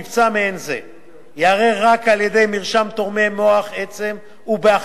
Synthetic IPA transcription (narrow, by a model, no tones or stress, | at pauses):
ivt͡sameenzḛ | jaːʁeʁakaljed̪e̞jmiʁʃamt̪o̞ʁme̞mo̞aχet͡se̞m | ubeaχ